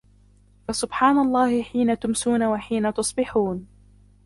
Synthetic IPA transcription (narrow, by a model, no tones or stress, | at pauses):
fasʊbħaːnalˤːɑːhɪħiːnat̪ʊmsuːnawaħiːnat̪ʊsˤbɪħuːn